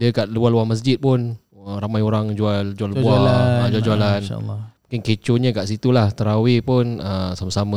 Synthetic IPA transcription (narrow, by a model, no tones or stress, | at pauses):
diəkaʔlualuaməs̬d͡ʒɪt̪̚pʊn | əɾamajoɾaŋd͡ʒuald͡ʒualbbuaamad͡ʒuald͡ʒualan̰ːmukɪnket͡ʃoɲəkaʔsit̪ulaht̪əɾawipʊnəsamasama